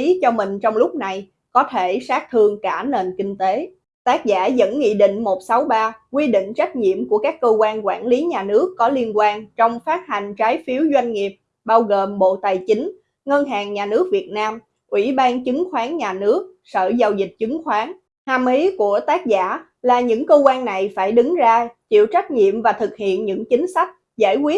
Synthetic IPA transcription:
i˨˦t͡ɕɔ˧mï˨˩ŋ̟t͡ɕɔ˧wŋ͡mlʊ˦˥k͡p̚na˨˩j | kɔ˨˦t̪ʰe˧˩saː˦˥k̚t̪ʰɨ˧əŋkaː˧˩ne˨˩nkï˧ŋ̟t̪e˨˦ | t̪aː˦˥k̚zaː˧˩zə̰˧˥nŋḭ˧˨ɗḭ̈˧˨ŋ̟mo˨˩t̚sa˨˦wɓaː˧kwi˧ɗḭ̈˧˨ŋ̟t͡ɕa˦˥k̟̚ɲḭ˧˨əmku˧˩əkaː˦˥kːəː˧kwaː˧nkwaː˧˩nli˨˦ɲaː˨˩nɨ˦˥əkːɔ˨˦li˧ənkwaː˧nt͡ɕɔ˧wŋ͡mfaː˦˥t̚ha˨˩ŋ̟t͡ɕaː˨˦jfi˨˦əwzwa˧jŋ̟ŋi˨˩əp̚ | ɓaː˧wɣoː˨˩mɓo̰˧˨t̪a˨˩jt͡ɕi˨˦ŋ̟ | ŋə˧nɦaː˨˩ŋɲaː˨˩nɨ˦˥ək̚vi˨˩ət̚naː˧m | ʔwi˧˩ɓaː˧nt͡ɕɨ˨˦ŋxwaː˨˦nɲaː˨˩nɨ˦˥ək̚ | sə̰ː˧˩za˧wzi˨˩k̚t͡ɕɨ˨˦ŋxwaː˨˦n | ha˨˩mli˨˦ku˧˩ət̪aː˦˥k̚za̰ː˧˩ | laː˨˩ɲɨ̰˧˥ŋkəː˧kwaː˧nːa˨˩jfaː˧˩jɗɨ˨˦ŋzaː˧t͡ɕḭ˧˨əwt͡ɕa˦˥jk̟̚ɲḭ˧˨əmvaː˨˩t̪ʰɨ˨˩k̚hḭ˧˨ənɲɨ̰˧˥ŋt͡ɕï˨˦ŋ̟sa˦˥jk̟̚ | za̰ː˧˩jkwi˦˥ət̚

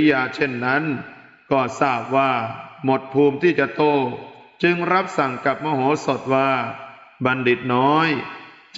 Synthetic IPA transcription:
jaː˧t͡ɕʰe˥˩nːa˦˥n | kɔː˥˩saː˧˩p̚waː˧˥˩mo˨˩t̪̚pʰuː˧mt̪ʰiː˥˩t͡ɕa˨˩ʔt̪oː˧˥˩t͡ɕɯ˧ŋɾa˦˥p̚sa˨˩ŋka˨˩p̚mɔː˧ɦoː˨˩˦so˨˩t̪̚waː˧˥˩ | ba˧ndi˨˩t̪̚nɔː˦˥j

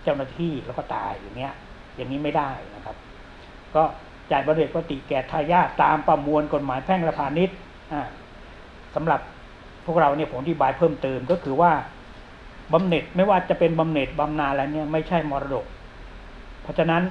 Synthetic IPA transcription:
t͡ɕa˥˩wnaː˧˥˩t̪ʰiː˥˩lɛ˦˥wkɔː˥˩t̪a̰ː˧jaː˨˩ŋːi˦˥ɐ | ja˨˩ŋːiː˦˥ma˥˩jdaː˥˩jna˦˥kʰa˦˥p̚ | kɔː˥˩ | t͡ɕaː˨˩ba˧mne˨˩t̪̚wa˧˥t̪i˨˩kɛː˨˩t̪ʰːaː˧jaː˥˩t̪ːaː˧mpa˧mu˧ənko˨˩t̪̚maː˩˦jpʰɛː˥˩ŋɾa˧pʰaː˧ni˦˥t̪̚ | ʔaː˧˩ | sa˩˨˦mɾa˨˩pʰː | u˥˩ək̚ɾa˧wni˥˩pʰo˩˦mʔa˧t̪ʰi˥˩baː˧jpʰɤː˥˩mt̪ɤː˧mkɔ˥˩kʰɯː˧waː˥˩ | ba˧mne˨˩t̪̚ma˥˩jwaː˥˩t͡ɕa˨˩pe˧nba˧mne˨˩t̪̚ba˧mnaː˧n˧la˧jni˥˩ɐma˥˩jt͡ɕʰa˥˩jmɔː˧ɾa˧do˨˩k̚ʰ | ɔ˦˥˩t͡ɕʰa˧na˦˥n

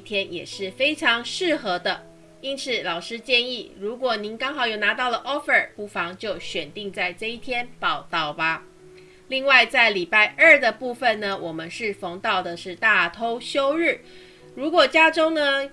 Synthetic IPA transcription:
t̪ʰjɛ˥njɛ̰˨˩ʂɻ̩˥˩fe˥ɪʈ͡ʂʰɑ˧˥ŋʂɻ̩˥˩xɤ˧˥d̪ə˧ | i˥nt͡s̩ʰ˨˩˦lɑ˨˩ʊʂɻ̩˥t͡ɕjɛ˥˧ni˥˩ɻu˧˥kwɔ˨˩ni˧˥nkɑ˥ŋxɑ˨˩ʊjo˨˩ʊna˧˥t̪ɑ˥˩ʊlə˩ʔɔ˥fə˨˩pu˥˩fɑ˧˥ŋt͡ɕjo˥˩ʊɕɥɛ˨˩nt̪i˥˧ŋt͡sa˥˧ɪʈ͡ʂɤ˥˧i˥˩t̪ʰjɛ˥npɑ˥˨˩ʊt̪ɑ˥˩ʊbɐ˨ | li˥˧ŋwa˥˧ɪt͡sa˥˩ɪli˨˩pa˥˧ɪʔə˞˥˩d̪ə˩pu˥˩fə˨˩nnə˩wʔɔ˨˩mə˦nʂɻ̩˥˩fo˧˥ŋt̪ɑ˥˩ʊd̪ə˨ʂɻ̩˥˧t̪a˥˩t̪ʰo˥ʊɕjo˥ʊɻɻ̩˥˩ | ɻu˧˥kwɔ˨˩t͡ɕja˥ʈ͡ʂo˥ŋnə˧

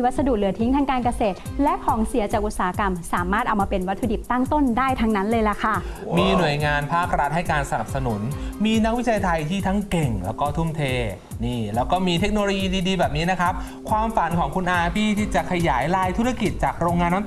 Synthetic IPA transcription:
wa˦˥sa˧duː˨˩t̚lɯ˨˩˦ət̪ʰi˦˥ŋt̪ʰa˧ŋkaː˧nka˧seː˨˩t̪̚lɛ˦˥ʔkʰɔː˩˦ŋsi˨˩˦ɐt͡ɕaː˨˩k̚ʔu˨˩saː˨˩a˦ka˧msaː˩˦maː˥˩t̪̚ʔa˧wmaː˧pe˧nwa˦˥t̪ʰːu˧di˨˩k̚t̪a˥˩ŋt̪o˥˩ndaː˥˩jt̪ʰa˧˥ŋna˦˥nlɤː˧jla˦˥kʰa˥˩ | miː˧nu˨˩əjŋaː˧npʰaː˥˩k̚ɾa˦˥t̪̚ha˥˩jkaː˧nsa˧na˨˩p̚sa˧nu˨˩˦nmiː˧na˦˥k̚wi˦˥t͡ɕʰa˧jt̪ʰa˧jt̪ʰiː˥˩t̪ʰa˦˥ŋke˨˩ŋlɛ̰ː˦˥wkɔː˥˩t̪ʰu˥˩mt̪ʰeː˧ | niː˥˩lɛː˦˥wkɔː˥˩miː˧t̪ʰe˦˥k̚noː˧loː˧jiː˧diː˧diː˧bɛː˨˩p̚niː˦˥na˦˥kʰɾa˦˥p̚ | kʰwaː˧mfa˩˦nkʰɔː˩˦ŋkʰu˧nʔaː˧pʰiː˥˩t̪ʰiː˥˩t͡ɕa˨˩kʰa˧jaː˩˦jlaː˧jt̪ʰu˦˥ɾa˧ki˨˩t̪̚t͡ɕaː˨˩k̚ɾoː˧ŋːaː˧nːa˥

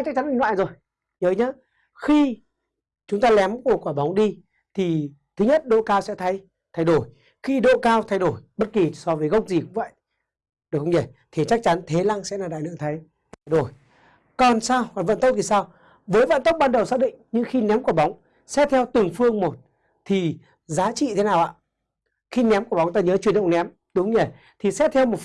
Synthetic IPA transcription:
t͡ɕa˦˥k̚t͡ɕa˨˦ni˧ŋlwa̰ː˧˨jzo˨˩j | ɲəː˨˦jɲa˨˦ | xi˧ | t͡ɕʊ˨˦ŋ͡mt̪aː˧lɛ˨˦mku˧˩əkwaː˧˩ɓa˨˦wŋ͡mɗi˧ | t̪ʰi˨˩ | t̪ʰɨ˨˦ɲə˦˥t̚ɗo̰˧˨kaː˧wsɛ̰˧˥t̪ʰə˨˦j | t̪ʰa˧jɗo˧˩j | xi˧ɗo̰˧˨kaː˧wt̪ʰa˧jɗo˧˩jɓə˦˥t̚ki˨˩sɔ˧vəː˨˦jɣə˦˥wk͡p̚zi˨˩kʊ̰˧˥ŋ͡mvə̰˧˨j | ɗɨ˨˩xə˧ŋ͡mɲə˧˩t̪ʰi˨˩t͡ɕa˦˥k̚t͡ɕa˨˦nt̪ʰe˨˦laː˧ŋsɛ̰˧˥laː˨˩ɗa̰ː˧˨jnɨ̰˧˨t̪ʰə˨˦j | t̪ʰjɗo˧˩j | kɔ˨˩nsaː˧waː˨˩və̰˧˨nt̪ə˦˥w̚k͡p̚t̪i˨˩saː˧w | vəː˨˦jvə̰˧˨nt̪ə˦˥wk͡p̚ɓaː˧nɗə˨˩wsaː˥ɗḭ̈˧˨ŋɲɨ˧ŋxi˧nɛ˨˦mku˧˩ɓa˨˦wŋ͡m | sɛ̰˧˥t̪ʰɛ˧wt̪ɨ˨˩ŋfɨ˧əŋmo˨˩t̚ | t̪ʰi˨˩ | zaː˨˦t͡ɕḭ˧˨t̪ʰe˨˦naː˨˩wʔa̰ː˧˨ | xi˧nɛ˨˦mku˧˩ɓa˨˦wŋ͡mt̪aː˧ɲəː˨˦t͡ɕwi˨˩ənɗə̰˧˨wnɛ˨˦m | ɗɨ˨˦hə˧ŋ͡mɲe˧˩ | t̪ʰi˨˩sɛ̰˧˥t̪ʰɛ˧wmo˨˩

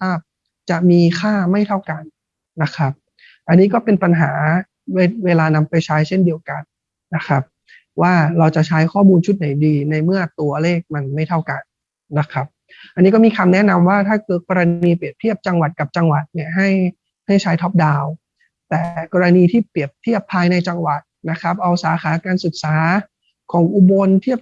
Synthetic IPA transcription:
a˥˩p̚ | t͡ɕa˨˩ʔmiː˧kʰaː˥˩ma˥˩jt̪ʰa˥˩wka˧nː | a˦˥kʰɾa˦˥p̚ | ʔa˧nːiː˦˥kɔː˥˩pe˧npa˧nɦaː˩˦ | we˧weː˧laː˧na˧mpa˧jt͡ɕʰaː˦˥jt͡ɕʰe˥˩ndi˧əwka˧nː | a˦˥kʰa˦˥p̚ | waː˥˩ɾa˧wt͡ɕa˨˩t͡ɕʰaː˦˥jkʰɔː˥˩muː˧nt͡ɕʰu˦˥t̪̚na˨˩˦jdiː˧na˧jmɯ˥˩ɐt̪u˧ɐleː˥˩k̚ma˧nma˥˩jt̪ʰa˥˩wka˧nː | a˦˥kʰa˦˥p̚ | ʔa˧nːiː˦˥kɔː˥˩miː˧kʰa˧mnɛ˦˥na˧mwaː˥˩t̪ʰaː˥˩kɤː˨˩t̚kɔː˧ɾa˧niː˧pi˨˩əp̚t̪ʰi˥˩əp̚t͡ɕa˧ŋwa˨˩t̪̚ka˨˩p̚t͡ɕa˧ŋwa˨˩t̪̚ni˥˩ɐəɦa˥˩j | ha˥˩jt͡ɕʰaː˦˥jt̪ʰɔː˦˥p̚daː˧w | t̪ɛː˨˩kɔː˧ɾa˧niː˧t̪ʰiː˥˩pi˨˩əp̚t̪ʰi˥˩əpʰːaː˧jna˧jt͡ɕa˧ŋwa˨˩t̪̚na˦˥kʰɾa˦˥p̚ʔa˧wsaː˩˦xʰaː˩˦kaː˧nsu˨˩t̪̚saː˩˦ | kʰɔː˩˦ŋʔu˧bo˧nt̪ʰi˥˩əp̚

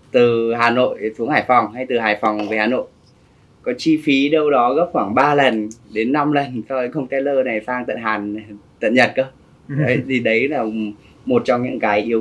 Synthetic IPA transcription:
t̪ɨ˨˩ɦaː˨˩no̰˧˨jsu˨˦əŋhaː˧˩jfɔ˨˩wŋ͡mha˧jt̪ɨ˨˩ɦaː˨˩jfɔ˨˩wŋ͡mve˨˩haː˨˩no̰˧˨j | kɔ˨˦t͡ɕi˧fi˨˦ɗə˧wɗɔ˨˦ɣə˦˥p̚xwaː˧˩ŋɓaː˧lə˨˩nɗe˨˦nːa˧mlə˨˩nsɔ˧ə˨˦ŋxə˧wŋ͡mt̪ɛ˨˦ləː˧na˨˩jfaː˧ŋt̪ə̰˧˨nɦaː˨˩nt̪ə̰˧˨nɲə˨˩t̚kəː˧˦ | ə˨˦jt̪ʰi˨˩ɗə˨˦jlaː˨˩ | mo˨˩t̚t͡ɕɔ˧wŋ͡mɲɨ̰˧˥ŋkaː˨˦jʔi˨˦ə

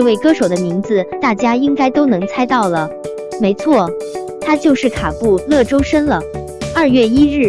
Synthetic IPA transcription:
we˥˩ɪkɤ˥ʂo˨˩ʊd̪ə˦mi˧˥ŋd͡zɹ̩˧t̪a˥˩t͡ɕja˥i˥ŋka˥ɪt̪o˥ʊnɤ˧˥ŋt͡sʰa˥ɪt̪ɑ˥˩ʊlə˩ | me˧˥ɪt͡sʰwɔ˥˩ | t̪ʰa˥t͡ɕjo˥˧ʊʂɻ̩˥˩kʰa˨˩pu˥˧lɤ˥˩ʈ͡ʂo˥ʊʂə˥nlə˨ | ɐ˥˧ɥɛ˥˩i˥ɻɻ̩˥˩

